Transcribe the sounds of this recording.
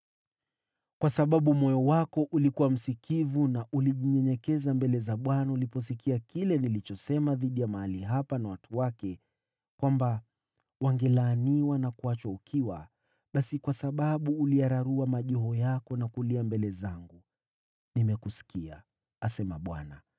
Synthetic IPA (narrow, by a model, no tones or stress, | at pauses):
kwasaɓaɓumɔjɔwakɔʔulikuwam̩sikivunaʔuliʄiɲɛɲɛkɛzambɛlɛzaɓwanaulipɔs̬ikʰiakilɛnilit͡ʃɔsɛmaðiɗijamaaliɦapanawatuwakɛ | kwamba | waŋɡɛlaːniwanakuat͡ʃwaukʰiwa̰ | ɓasikwasaɓaɓuːliaɾaɾuamaʄɔɦɔjakɔnakuliambɛlɛzaŋɡu | nimɛkusi̥kia̰ | asɛmaɓwa̰na